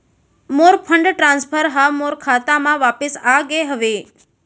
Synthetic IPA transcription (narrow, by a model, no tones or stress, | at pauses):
moɾpʰəɳɖʈɾãnspʰəɾɦamoɾkʰat̪amãʋapɪsaɡeɦəʋe